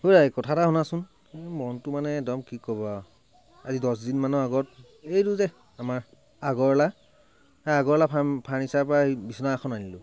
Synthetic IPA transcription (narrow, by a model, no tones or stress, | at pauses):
hojɹakɔtʰataɦɔnasʊn | emɔntʊmanɛɛdɔmkikɔbɔ | azidɔs̬dinmanɔaɡɔt̚ | ejtuzɛ | amaɹ | aɡɔɹla | aaɡɔɹlapʰapʰanisapabisɔnaaxʰɔnanilʊ